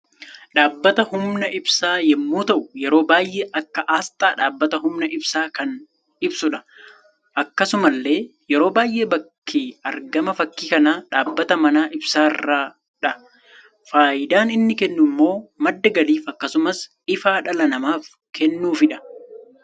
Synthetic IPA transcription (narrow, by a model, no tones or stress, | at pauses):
ᶑaːbːɐt̪ɐhʊmnɐʔɪbsaːjɛmːuːt̪ɐʔʊjɛɾo̞ːbaːjʔeːʔɐkːɐʔaːst̪ʼaːᶑaːbːɐt̪ɐɦʊmnɐʔɪbsaːkɐn | ɪbsʊᶑɐ̥ | ʔɐkːɐsʊmɐlːe̞ːjɛɾo̞ːbaːjʔe̞ːbɐkʰːɪɐɾɡɐmɐfɐkːiːkɐnaːᶑaːbːɐt̪ɐmɐnaːʔɪbsaːɪ̰rːaː | ᶑɐ | faːʔɪd̪aːnɪnːɪkɛnːʊmːo̞ːmɐd̪ːɐɡɐliːfɐkːɐsʊmɐs | ɪfaːᶑɐlɐnɐmaːf | kɛnːuːfɪᶑɐ̥